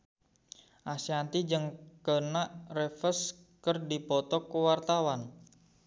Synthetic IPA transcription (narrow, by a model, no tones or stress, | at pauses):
ʔasiant̪id͡ʒɨŋkənaʔrefəs | kərdipɔt̪ɔkəwart̪awan